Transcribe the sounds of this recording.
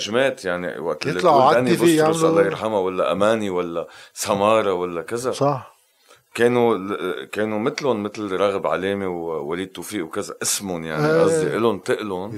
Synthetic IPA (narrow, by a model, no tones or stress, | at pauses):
ʒmeːt̪jaʕnḭwa̰ʔt̪ɪlːiˤlɑaanibʊɾslalːajɪɾħamawalːaʔamaːniwalːasamɑːɾˤɑwalːakɪzasɑħ | keːnukeːnumɪt̪lʊnmɪt̪lɾˤɑɣbʕa̰leːmiwwa̰liːd̪̚t̪ufiːʔwkɪzaʔɪsmʊnjaʕiʔɑzːiʔɪlʊnt̪ɪʔlʊn